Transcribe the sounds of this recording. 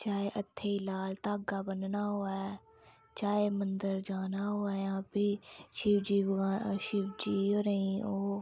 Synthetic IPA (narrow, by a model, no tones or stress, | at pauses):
t͡ʃaːeːʔət̪ʰːeːiːlaːlt̪aːɡaːbənnaːɦoːɛː | t͡ʃaːeːmə̃nd̪əɾd͡ʒaːnaːɦoːɛːjãːpiːʃɪʋd͡ʒiːʃɪʋd͡ʒiːoɾəĩːoː